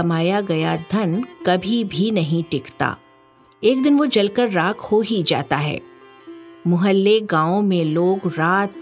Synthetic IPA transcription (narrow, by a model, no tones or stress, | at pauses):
ɐmaːjaɡɐjad̪ʱɐnkɐbʱibʱinɐɦĩʈɪkt̪a̰ː | eːkd̪ɪnʋod͡ʒɐlkəɾːaːkʰhoɦid͡ʒa̰ːt̪aɦɛ̰ː | mʊɦəlːeɡãːõmẽloːɡɾaːt̪